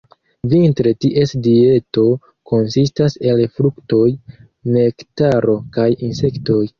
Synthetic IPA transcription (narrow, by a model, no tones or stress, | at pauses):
vintɾe̞tiʔe̞sdie̞to̞ | ko̞nsistase̞lfɾukto̞j | ne̞ktaɾo̞kajinse̞kto̞j